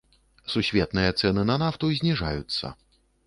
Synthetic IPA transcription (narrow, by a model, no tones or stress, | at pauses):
susʲvʲɛt̪nɨjɐt̪sɛnɨnɐnaft̪uzʲnʲiʐa̰jut̪sːɐ̰